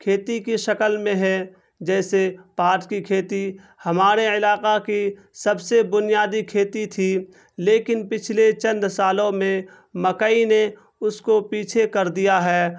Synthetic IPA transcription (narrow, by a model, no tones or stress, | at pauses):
kʰeːt̪ikiʃɐkəlmẽɦɛ | d͡ʒɛːsepaːɾʈkikʰeːt̪i | hɐmaːɾeɪlaːqaki | sɐbsebʊnɪjaːd̪ikʰeːt̪it̪ʰi | leːkɪnpɪt͡ʃʰlet͡ʃə̃nd̪saːlõmẽ | mɐkəine | ʊskopiːt͡ʃʰekɐɾd̪ijaɦɛː